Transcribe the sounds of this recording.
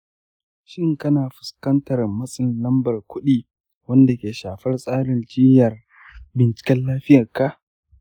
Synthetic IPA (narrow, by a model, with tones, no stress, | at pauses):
ʃɪ˦ŋkɐ˦naː˨ɸʊ̥˨skɐ˦ntɐ˨rmɐ˦sʼɪ˨nlɐ˦mbɐ˨rkʷʊ˦ɗiː˦ | wɐ˦nda˨kʲeː˨ʃaː˨ɸɐ˦rsʼaː˦ɽɪ˨nd͡ʒɪ˦jɐ˨r | bɪ˨nt͡ʃɪ̥˨kʲɛ˦nlaː˦ɸɪ˦jɐ˨rka˦ʔ